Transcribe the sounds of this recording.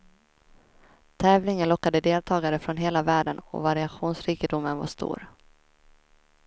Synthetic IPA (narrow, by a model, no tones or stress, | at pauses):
t̪ʰɛːvlɪŋənlɔkːad̪əd̪eːlt̪ʰɑːɡaɾəfɾɔnɦeːlavæːɖənɔ̰vaɾɪaɧuːnsɾiːkəd̪ʊmːənva̰ʂt̪ṵːɾ